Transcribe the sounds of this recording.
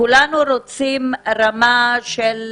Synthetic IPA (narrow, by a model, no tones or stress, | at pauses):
ulanuɾot͡simɾamaʃel